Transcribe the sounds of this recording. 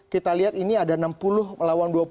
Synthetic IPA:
kit̪aliɦat̪iniadaənampulʊhməlawanduap

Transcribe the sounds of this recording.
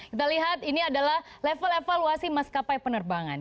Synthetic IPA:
kit̪aliɦat̪iniadalah | lefəlefaluasimaskapajpənərbaŋa̰n

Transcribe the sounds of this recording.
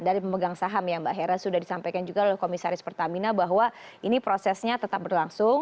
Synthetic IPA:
daɾipəməɡaŋsaɦamjaŋbaɦɛɾasudahdisampajkand͡ʒuɡalalɛhkomisaɾɪspərt̪aminabaɦwa | inipɾosɛsɲat̪ət̪ap̚bərlaŋsʊŋ

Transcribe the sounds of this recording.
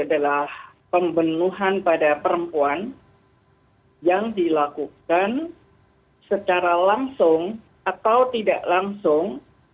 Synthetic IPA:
adalah | pəmbənuɦanpadapəɾəmpuan | jaŋdilakukan | sət͡ʃaɾalaŋsʊŋ | at̪awt̪idaʔlaŋsʊŋ

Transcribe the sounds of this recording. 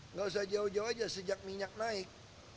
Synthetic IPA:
ŋɡaws̬ad͡ʒaud͡ʒawad͡ʒasəd͡ʒak̚miɲak̚naɪk̚

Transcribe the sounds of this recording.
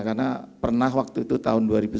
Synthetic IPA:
karnapərnaɦwak̚t̪uit̪ut̪a̰ɦʊnduaɾibu

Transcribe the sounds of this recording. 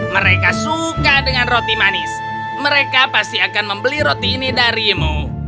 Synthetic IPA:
məɾekasukadəŋanrot̪imanɪs | məɾekapast̪iakanməmbəliɾot̪inidaɾimu

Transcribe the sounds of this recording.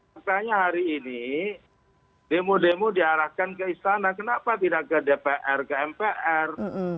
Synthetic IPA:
akaɲaɦaɾiːni | demudemudiaɾahkankəist̪anakənapat̪idaʔkədepeʔɛrkəɛmpeʔɛr

